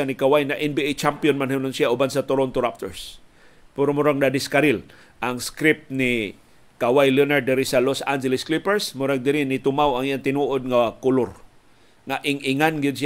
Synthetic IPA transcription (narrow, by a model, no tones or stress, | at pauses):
anikawajnaʔɛnbiʔejt͡ʃampjonmanhunʊnsiaʊbansat̪ʊɾont̪ʊɾap̚t̪o̰ɹs | pɛɾomʊɾaɡdad̪ɪskaɾɪl | ʔaŋskɾɪp̚t̪nɪ | kawajlənaɹd̪ɪɾisalosand͡ʒɛlɪsklipɛɹsmʊɾaɡ̚d̪ɪɾɪnɪt̪ʊmawaŋijant̪ɪnuʔod̪̚ŋakʊlʊɾ | ŋaʔɪŋʔɪŋanɡɪd̪̚s